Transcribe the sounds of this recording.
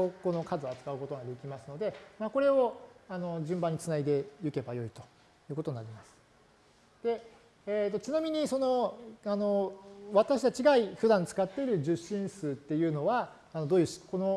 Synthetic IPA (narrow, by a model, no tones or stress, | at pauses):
oko̞no̞kazɨat͡sɨ̥kaɯ̟ko̞t̪oɡad̪e̞kʲimasɨno̞d̪e̞maːko̞ɾe̞oano̞ʑɨ̃mbãɲ̟ːit͡sɨnaid̪e̞jɯ̟ke̞bajo̞it̪o̞ | jɯ̟ːko̞t̪o̞ɲ̟naɾʲimasɨ̥ | d̪̥e̞ | t̪ːo̞t͡ɕinamʲiɲ̟iso̞no̞ano̞βat̪aɕit̪at͡ɕiɡaiɸɯd̪ãnt͡sɨ̥kat̪ːe̞iɾɯ̟ʑɨɕːĩɰ̃sɨːt̪ːe̞jɯ̟ːno̞βaː | no̞d̪oːjɯ̟ɕko̞no̞